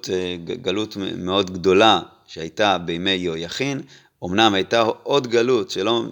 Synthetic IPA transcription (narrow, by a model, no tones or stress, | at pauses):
tɡalutmeo̞dɡdo̞la | ʃehajtabejmeːojaχin | omnamhajtaod̪ɡalutʃelo̞